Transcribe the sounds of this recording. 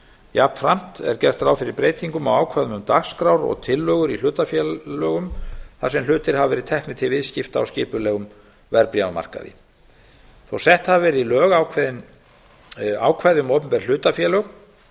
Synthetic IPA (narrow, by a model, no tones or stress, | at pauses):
japfɾam̥t̪ɛ̰ɾcɛr̥t̪ɾaːwfɪɾɪɾpɾeːjt̪iŋkʏma̰waːwkʰvajðʏmʏmt̪axskɾawɾɔ̰ɣt̪ʰɪlːœɣʏɾil̥ʏːt̪afjɛlœːɣʏmθasɛml̥ʏːt̪ɪɾ̥havavɛːɾɪt̪ʰɛhknɪt̪ʰɪlvɪðscɪft̪a̰wscɪːpʏlɛɣʏm | vɛɾpɾjawma̰r̥ka̰ðɪ̰ | θowsɛht̪havavɛɾɪðilœːɣaːwkʰvɛðɪn | aːwkʰvajðʏmowpʏmpɛɾ̥l̥ʏːt̪afjɛːlœɣ